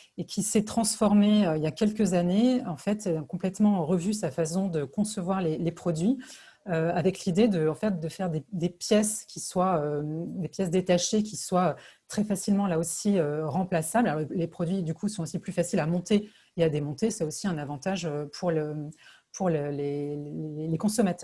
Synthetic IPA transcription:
ekʲʰisɛt̪χɑ̃sfɔʁmeøiljakʲɛlkəzaneɑ̃fɛt̪ɛlakɔ̃plɛt̪mɑ̃ʁəvysafasɔ̃d̪əkɔ̃səvwaʁlelepχɔd̪ɥi | øavɛklid̪ed̪əɑ̃fɛt̪d̪əfɛʁd̪ed̪epjɛskʲiswaød̪epjɛsd̪et̪aʃekʲiswaøt̪χɛfasilmɑ̃laosiøʁɑ̃plasablalɔʁlelepχɔd̪ɥid̪ykʰusɔ̃osiplyfasilamɔ̃t̪e | ead̪emɔ̃t̪esɛosiɛ̃navɑ̃t̪aʒøpʰuʁlə | pʰuʁlele | elekɔ̃sɔmat̪œʁ

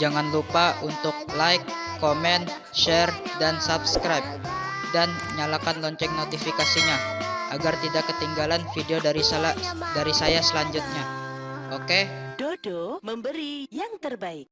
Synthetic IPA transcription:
d͡ʒaŋanlupaʔunt̪ʊk̚lajkː | omɛn | ʃɛrdansap̚skɾajp̚ | dan | ɲalakanlɔɲt͡ʃɛŋ̚not̪ifikasiɲaʔaɡart̪idakːət̪iŋɡalanfideoɾisdaɾisajasəlaɲd͡ʒʊt̪̚ɲaʔoked̥odoməmbəɾijaŋt̪ərbaɪk

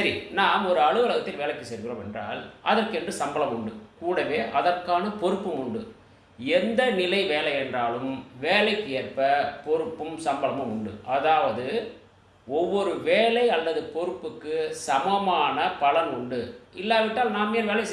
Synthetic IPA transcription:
sɐɾinaːmɔɾɯɐɻɯʋɐlɐɣɐt̪ːɪlʋeːlɐɪkːɯsɛɾɣɪroːmɛ̰ndra̰ːlʔɐðɐrkɯɛndrɯsɐmbɐlɐmʊɳɖɯkuːɽɐʋeːʔɐðɐrkaːnɐpɔɾɯpːɯmʊɳɖɯ | ɛnd̪ɐnɪlɐɪʋeːlɐjɛndraːlɯmʋeːlɐɪkːɯeːrpɐpɔɾɯpːɯmsɐmbɐlɐmɯmʊɳɖɯʔɐðaːʋɐðɯ | ɔʋːɔɾɯʋeːlɐɪɐlːɐðɯpɔɾɯpːɯkːɯsɐmɐmaːnɐpɐlɐnʊɳɖɯɪlːaːʋɪʈːaːlnaːmɛnʋeːlɐɪs

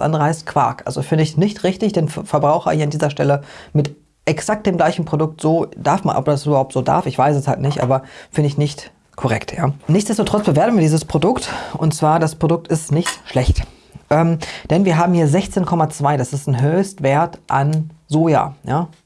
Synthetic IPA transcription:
ʔa̰ndəʁəhaɪstkʰv̥a̰ɐkʔalzofɪndəɪçnɪçtʁɪçtɪçd̥eːnfɛɐbʁaʊxɐ̰hiːɐandiːzɐʃtɛləmɪt | ʔɛksak̚t̚d̥eːmɡlaɪçn̩pʁ̥odʊk̚tz̥oːd̥aɐfma̰nʔɔ̰pdasʔybɐhaʊptz̥oːda̰ɐfɪçv̥aɪsɛsha̰ltnɪçtʔa̰ːbɐfɪndəɪçnɪçt | kʰɔʁɛ̰ktʰja̰ːnɪçtt͡ssd̥ɛstotʁ̥ɔt͡sb̥əveːɐtn̩viːɐdiːzəspʁ̥odʊktʔʊntt͡sv̥aːɐdaspʁ̥odʊk̚tɪstnɪçtʃlɛçt | ʔɛmd̥ɛnviːɐɦaːbm̩hiːɐzɛçt͡seːnkʰɔmat͡sv̥aɪdasɪstnɦøːçstv̥eːɐtʔanzoːja̰ːjaː

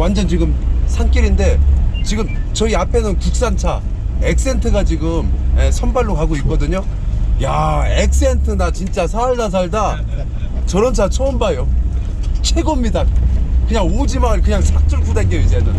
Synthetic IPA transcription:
wand͡ʑʌnt͡ɕiɡɯmsʰank͈iɾinde̞t͡ɕiɡɯmt͡ɕʌiapʰe̞nɯnkuk̚s͈ant͡ɕʰa | e̞k̚s͈e̞ntʰɯɡat͡ɕiɡɯmesʰʌnbaɭːokaɡoik͈̚ʌdɯɲojaek̚s͈e̞ntʰɯnat͡ɕint͡ɕ͈asʰaɭdas̬ʰaɭda | t͡ɕʌɾʌnt͡ɕʰat͡ɕʰoːmbajo | t͡ɕʰe̞ɡomɲidakɯɲaŋod͡ʑimaɭkɯɲaŋsʰak̚t͡ɕ͈uɭkudek͈ewis̬ʰʌjedɯn

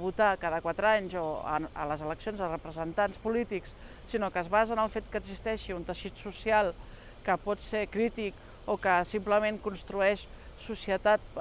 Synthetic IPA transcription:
βut̪akaðəkwat̪ɾaɲzo̰ə̰ləzələksionzðərəpɾəzənt̪anspulit̪iksː | inokəːzβazənəlˠfet̪kəːɡzist̪ɛʃiunt̪əʃit̪susialˠ | kəpɔt̪seɾkɾit̪ik | okəsimpləmeŋkunst̪ɾuɛʃsusiət̪at̪̚

